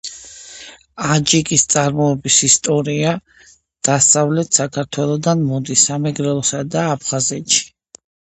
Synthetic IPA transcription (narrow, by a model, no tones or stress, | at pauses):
ad͡ʒikʼist̪sʼaɾmɔɛbisist̪ʼɔɾia | d̪̥asavlɛt̪ʰsakʰaɾt̪ʰwɛlˠɔd̪anmɔd̪isamɛɡɾɛlˠɔsad̪aːpʰχazɛt̪ʃi̥